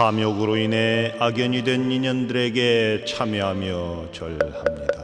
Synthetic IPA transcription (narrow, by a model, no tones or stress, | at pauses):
amjʌɡɯɾoine̞aɡjʌɲidwe̞niɲʌndɯɾe̞ɡe̞t͡ɕʰamjʌɦamjʌ | t͡ɕʌɭhamɲid̥a